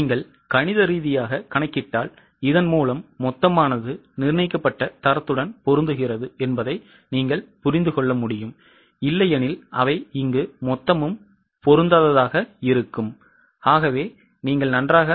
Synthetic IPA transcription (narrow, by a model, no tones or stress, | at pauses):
iːŋɡɐɭ | kɐɳɪðɐɾiːðɪjaːɣɐkɐɳɐɪkːɪʈːaːl | ɪðɐnmuːlɐmːɔt̪ːɐmaːnɐðɯnɪɾnɐɪkːɐpːɐʈːɐt̪ɐɾɐt̪ːɯɽɐnpɔɾɯnd̪ɯɣɪrɐðɯɛnbɐðɐɪ | niːŋɡɐɭpʊɾɪnd̪ɯkɔɭːɐmʊɽɪjɯm | ɪlːɐjɐnɪlʔɐʋɐɪɪŋɡɯmɔt̪ːɐmɯm | pɔɾɯnd̪ɐðɐðaːɣɐɪɾɯkːɯm | aːɣɐʋeː | niːŋɡɐɭnɐndraːɣɐ